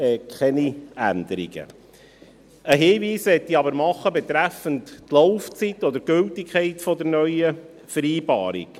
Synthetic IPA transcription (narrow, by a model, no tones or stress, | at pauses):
ɛːkʰχɛniænd̪əɾḭɡə̰ | əɦeːviːsʋɛtːiɑbəɾmɑχːəbɛt̪ɾæfənttlowft͡sitːɔd̪əɾɡ̥ɵltikʰχɛɪtfɔd̪əɾnœʏə | fəɾiːbɑ̰ːɾḭk